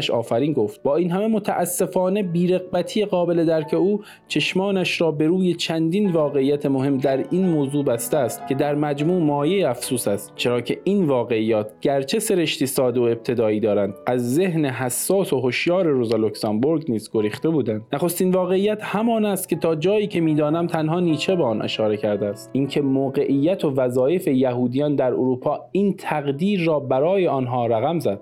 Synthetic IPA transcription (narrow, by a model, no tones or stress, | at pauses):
ʃɒ̰ːfæɾiːnɡo̞ft̪̚bɒːiːnɦæme̞mo̞t̪ʰæʔæsːe̞fɒːne̞biːɾe̞ɣbæt̪ʰijeɣɒːbe̞le̞d̪æɾcʰe̞uː | t͡ʃʰe̞ʃmɒːnæʃɾɒːbe̞ɾuːje̞t͡ʃʰænd̪iːnvɒːɣe̞iːjːæt̪ʰe̞mo̞ɦe̞md̪æɾinmoːzuːbæst̪eæːst̪cʰe̞d̪æɾmæd͡ʒmuːmɒːje̞jeæfsuːsæst̪t͡ʃʰe̞ɾɒːcʰe̞ʔiːnvɒːɣe̞iːjːɒːt̪ʰɟ̥æɾt͡ʃʰe̞se̞ɾe̞ʃt̪iːsɒːd̪eoe̞b̚t̪ʰe̞d̪ɒːiːd̪ɒːɾænd̪æzːe̞ɦneɦæsːɒːso̞ɦoʃjɒːɾe̞ɾozɑloksɑmboɾɡniːzɡo̞ɾiːχt̪e̞buːd̪ænd̪næχo̞st̪iːnvɒːɣe̞ijːæt̪hæmɒːnæst̪̚cʰʲe̞t̪ʰɒːd͡ʒɒːjiːcʰe̞miːd̪ɒːnæmt̪ʰænɦɒːniːt͡ʃʰe̞beɒnʔe̞̰ʃɒːɾe̞cʰæɾd̪eæst̪ʔincʰe̞moːɣe̞ʔiːjːæt̪ʰo̞væzɒːje̞fe̞jæɦuːd̪ijɒːnd̪æɾoɾuːpʰɒːiːnt̪ʰæɣd̪iːɾːɒːbæɾɒːje̞ɒːnɦɒːɾæɣæmzæd̪̥